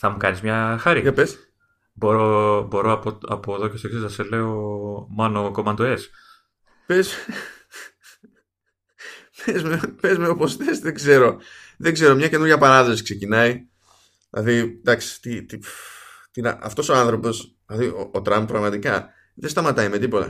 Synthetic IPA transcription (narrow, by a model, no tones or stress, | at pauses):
θɐmukɐnizmɲɐxɐɾikɐpes | boɾobo̞ɾoɐpoɐ̰poeðoceseksesɐsele̞omɐnokomɐnd̪oes | pez | pezmepezmeoposθesðeɡze̞ɾo̞ | ðeɡze̞ɾo̞mɲɐce̞nuɾʝɐpɐɾɐðosi̥kse̞cinɐi | ðlɐ̰ðid̪ɐksi̥t̪it̪i | t̪inɐʔɐ̰ft̪o̞so̞ɐnθɾo̞po̞s | lɐðioot̪ɾɐmp̚pːɾɐɣmɐt̪ikɐ | ðest̪ɐmɐt̪ɐime̞t̪ipo̞t̪ɐ̰